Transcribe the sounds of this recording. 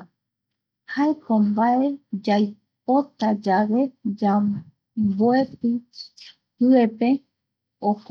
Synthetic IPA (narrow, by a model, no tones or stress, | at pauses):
haekõmbaed͡ʒaj | p̚o̞t̪ad͡ʒaʋe̞d͡ʒa | boepi | pɨepe̞ | ok